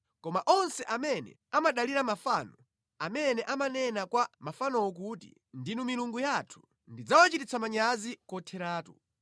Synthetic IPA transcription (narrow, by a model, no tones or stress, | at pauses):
kɔmaʔɔnsɛʔamɛnɛ̰ | amaɗaliɾamafaːnɔ | amɛnɛʔamanɛnakwamafanɔwɔk̬utḭ | ndinumiluŋɡujatʰu̥ | ndid͡zawat͡ʃitit͡sʰamaɲazikɔtʰɛɾaːtu